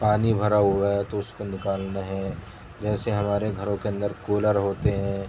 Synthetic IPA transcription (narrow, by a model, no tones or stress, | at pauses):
paːnibʱɐɾaɦuat̪oʊskonɪkaːlnaɦɛː | d͡ʒɛːseɦɐmaːɾeɡʱɐɾõkeɐ̃nd̪əɾkoːləɾɦoːt̪eɦɛ̃